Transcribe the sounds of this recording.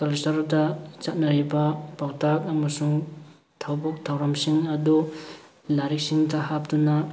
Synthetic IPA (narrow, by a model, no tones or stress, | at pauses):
kalsɐɾdɐt͡ʃat̚nɐɾibɐpawtʰak̚ɐmɐsuŋ | tʰawbɔk̚tʰawɾamsiŋɐdu | laɾik̚siŋdɐhap̚dunɐ